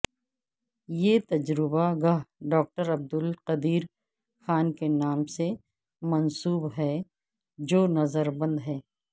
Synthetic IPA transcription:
jet̪ɐd͡ʒɾɪbaɡaɦɖɔːk̚ʈəɾɐb̚d̪ʊlqɐd̪iːɾ | xaːnkenaːmse | mɐnsuːbɦɛː | d͡ʒoːnɐzəɾbɐ̃nd̪ɦɛː

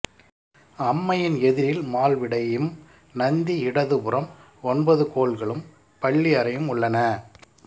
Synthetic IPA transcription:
ɐmːɐjɪnɛðɪɾɪlmaːlʋɪɽɐjɯm | nɐnd̪iɪɽɐðɯpɯɾɐm | ɔnbɐðɯkoːɭɣɐɭɯm | pɐɭːiɐɾɐjɯmʊɭːɐnɐ

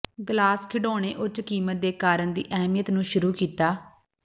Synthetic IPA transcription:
ɡlaːskʰɪɖoːɽ̃eːʔʊt͡ʃːkiːmət̪̚d̪eːkaːɾəɳd̪ḭːʔɛːmijət̪nũːʃʊɾuːkiːt̪aː

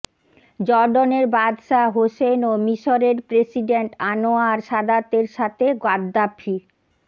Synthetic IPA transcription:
d͡ʑɔɾɖoneɾbad̪ʃaɦosenomiʃoɾeɾpɾesiɖeɳʈanoaɾʃad̪at̪eɾʃat̪ʰeɡwad̪ːapʰːi

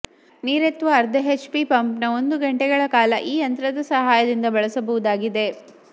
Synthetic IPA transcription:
niːɾet̪ʋɐːɾd̪ʱɐɦet͡ʃpipɐmpnɐo̞nd̪uɡɐɳʈɛɡɐɭɐkaːlɐʔiːɐnt̪ɾɐd̪ɐsɐɦaːjɐd̪ind̪ɐbɐɭɐsɐbɐʋud̪aːɡid̪e̞

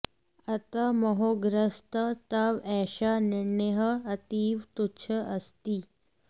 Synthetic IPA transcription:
ɐt̪ɐmɐɦoːɡɾəst̪ət̪aʋɛːʃanɪɾɳeɦəɐt̪iːʋt̪utːt͡ʃʰəʔɐst̪iː

